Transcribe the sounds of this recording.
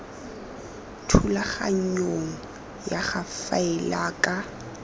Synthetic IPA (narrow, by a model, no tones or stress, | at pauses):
tʰulaχa̰ɲ̩ɲoŋ̩ | jaχafaɛlaːkʼa